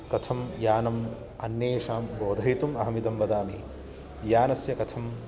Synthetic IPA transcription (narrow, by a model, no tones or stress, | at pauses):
kɐt̪ʰɐmjaːnɐm | ɐnːjeːʃaːmboːd̪ʱɐɦit̪umɐɦɐmid̪ɐmʋɐd̪aːmḭ | jaːnɐsjɐkɐt̪ʰɐm